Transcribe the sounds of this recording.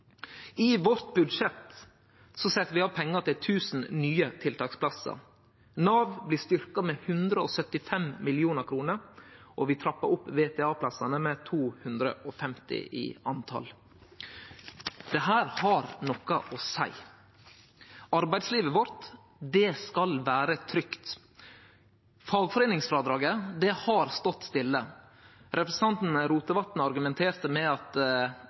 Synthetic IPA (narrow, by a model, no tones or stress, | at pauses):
ɪʋɔɾt̪̚bʉd̪ʂɛt̪ | sɔsɛt̪ːəɾʋɪɑʋpʰɛŋːəɾt̪ɪlt̪ʰʉːsn̩nyːət̪ʰɪlt̪ʰɑːkspʰlɑsə̰ɾ | nɑːʋblɪːst̪ʏɾkɑmɛhʉnd̪ɾəɔsœt̪ːɪfɛmmɪlɪuːnəɾkʰɾuːnəɾʔɔʋɪt̪ʰɾɑpːə̰ɾʊpːʋeːt̪ʰɛːɑːpʰlɑsɑnəmɛt̪ʰuːhʉnd̪ɾə̰ʔɔfɛmt̪ɪ̰ʔɪ̰ɑnt̪ʰɑ̰l | d̪̥ɛɦæːɾhɑɾnɔkɑʔɔsæ̰ɪ | ɑɾbæɪd̪sliːʋəʋɔɾt̪ | d̪ɛskɑlʋæːɾət̪ʰɾʏkt̪ | fɑːɡfɔɾeːnɪŋsfɾɑːd̪ɾɑːɡəd̪ɛhɑɾst̪ɔt̪ːst̪ɪlːə | ɾʔɛpɾɛsɑnt̪n̩ɾuːt̪əʋɑt̪n̩ɑɾɡʉmɛnt̪ʰeːɾt̪əmɛɑt̪